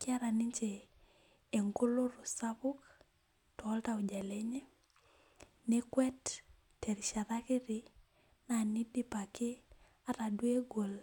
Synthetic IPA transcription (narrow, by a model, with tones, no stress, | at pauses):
kɪ˦a˦ɾa˨nɪ˦ɲt͡ʃe˨ | e˨ŋɡo˦lo˦ɾo˨sa˦bʊ˦k | tɔ˨˦lta˨o˨d͡ʒa˨le˦ɲe˦ | ne˦kwɛ˦tː | ɛ˨ɾʃa˨ɾa˦kɪ˦ɾɪ˨ | na˨ni˦di˦pa˨kɪ˦ | a˦ta˨dwe˦ɡo˨l